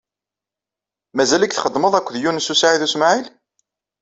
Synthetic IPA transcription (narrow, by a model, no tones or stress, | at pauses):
mæzælækθχəd̪ːməðˤækʷːðjunsusaʕiðusmʕil